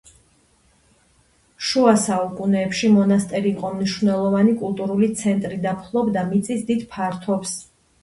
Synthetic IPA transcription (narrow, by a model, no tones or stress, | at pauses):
ʃuasaukʼunɛːpʃimɔnast̪ʼɛɾiːqʼɔmniʃvnɛlˠɔvanikʼulˠt̪ʼuɾulit̪sʰɛnt̪ʼɾid̪apʰlˠɔbd̪amit̪sʼisd̪id̪pʰaɾt̪ʰɔps